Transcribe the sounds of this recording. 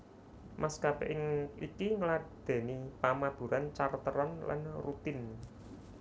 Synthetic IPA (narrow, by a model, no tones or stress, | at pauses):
maskapɛʔɪŋikiŋəlad̪̥e̤nipamab̥ṳɾant͡ʃart̪əɾɔnla̰nrut̪ɪn